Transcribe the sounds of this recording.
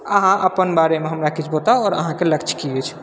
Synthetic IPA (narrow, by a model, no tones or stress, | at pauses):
əɦãʔəpənbaɾemeɦəmɾakit͡ʃʰbot̪aɔːɾə̰ɦãkeləkt͡ʃʰkiet͡ʃʰ